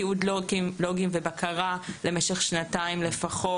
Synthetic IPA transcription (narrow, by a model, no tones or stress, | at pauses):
iud̪loɡimvebakʰaʁale̞meʃeχʃnataimlefaχo